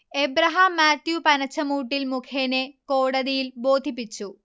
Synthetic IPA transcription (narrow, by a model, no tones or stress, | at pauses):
ebɾɐɦɐmːaːt̪jupɐnɐt͡ɕːɐmuːʈːilmukʰeːneko̞ːɽɐðijilboːd̪ʱip̬ːit͡ɕːu